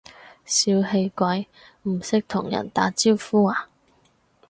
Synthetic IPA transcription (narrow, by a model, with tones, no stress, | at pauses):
siː˧whe˧jkʷɐ˧j | m̩˨˩sɪ˥k̚t̪ʰʊ˨˩ŋjɐ̰˨˩nt̪aː˨˧˥t͡siː˥wfuː˥aː˨˩